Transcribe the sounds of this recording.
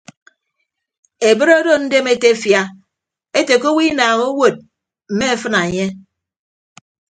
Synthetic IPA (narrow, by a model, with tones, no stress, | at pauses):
e˨bɨ˦ɾo˦do˦n̩˦de˦me˦te˦fja˦ | e˦te˨ko˦wi˦naː˨ŋo˦wo˨t̚ | m̩˨me˦e˦fɨ˦na˨ɲe˦